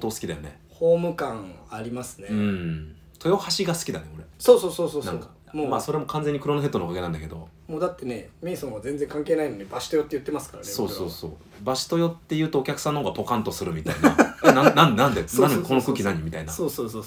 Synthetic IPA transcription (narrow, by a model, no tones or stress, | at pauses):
t̪oːsɨ̥kʲid̪ajo̞ne̞̰ | hoːmɯ̟kãŋaɾʲimasɨ̥neɯ̟̃ɴ | t̪o̞jo̞haɕiɡasɨ̥kʲid̪ane̞o̞ɾe̞soːsoːsoːsoːnaŋka | momaso̞ɾe̞mo̞kʰãnze̞ɲ̟ːikɯ̟ɾo̞noɦet̪onokaɡeãnd̪a̰ke̞d̪o̞̰ | moːd̪at̪ːe̞ne̞mʲĩːsõɡazẽ̞nd͡ze̞ŋkãŋkeːnaino̞ɲ̟ibaɕi̥t̪o̞jot̪ːejɯ̟t̪ːemasɨ̥kaɾaneso̞ːso̞ːso̞̰ː | baɕi̥t̪o̞jo̞t̪ːe̞jɯ̟ːt̪o̞ːkʲakɯ̥sãnːohoːɡapo̞kãnt̪o̞sɨɾɯ̟mʲit̪aina̰naãnnãnd̪eaokookɯ̟ːkʲinaɲ̟imit̪ainaoːsoːsoː